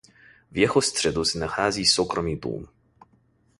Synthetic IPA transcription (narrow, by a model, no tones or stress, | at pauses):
vjɛxɔst̪ʂɛd̪uznaxazʲisɔkɾɔmʲib̪ṵm